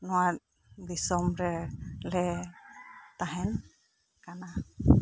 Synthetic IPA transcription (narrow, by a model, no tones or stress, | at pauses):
nɔwat̪̚ | bisɔmɾɛlɛ | t̪aɦɛn | kana